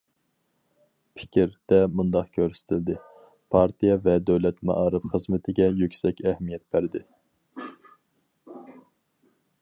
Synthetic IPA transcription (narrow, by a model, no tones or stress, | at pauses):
pʰɪ̥kʲʰɾd̪̥ɛmund̪ɑqkʲʰøɾsɪ̥t̪ʰɪld̪ɪ | pʰɑɾt̪ʰijɑvɛd̪øwlɛt̪mɑ̰ʔɑɾɨpχəzmɪt̪ʰɪɡʲɛjykʲsɛkʲɛhmijɛt̪̚b̥æɾd̪ɪ